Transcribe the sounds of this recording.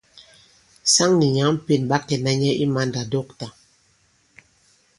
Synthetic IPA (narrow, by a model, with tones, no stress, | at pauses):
sa˦ŋni˨ɲa˨˦m̩˦pe˨nɓa˦kɛ˨na˦ɲɛ˦ʔi˦ma˦nda˨dɔ˦˨k̚ta˨